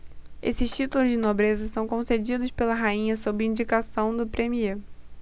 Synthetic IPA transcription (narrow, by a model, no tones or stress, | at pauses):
esɪʃt͡ʃit̪ulʊzd͡ʒɪnobɾezɐsɐ̃w̃kõsed͡ʒid̪ʊspelɐɦaĩɲɐsobɾɪĩnd͡ʒikasɐ̃w̃d̪ʊpɾemie